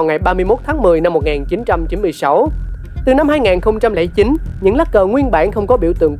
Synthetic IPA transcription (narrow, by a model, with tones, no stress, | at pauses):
wŋa˨˩jɓaː˧mɨ˧əjmo˦˥t̚t̪ʰaː˨˦ŋmɨ˨˩əjna˧mːo˨˩t̚ŋaː˨˩nt͡ɕi˨˦nt͡ɕa˧mt͡ɕi˨˦nmɨ˧əjsa˨˦w | t̪ɨ˨˩na˧mhaː˧jŋaː˨˩nxə˧wŋ͡mt͡ɕa˧mlɛ̰˧˩t͡ɕi˨˦nɲɨ̰˧˥ŋlaː˦˥k̚kəː˨˩ŋwi˧ənɓa̰ː˧˩nxə˧wŋ͡mkɔ˨˦ɓḭ˧˩əwt̪ɨ̰˧˨əŋ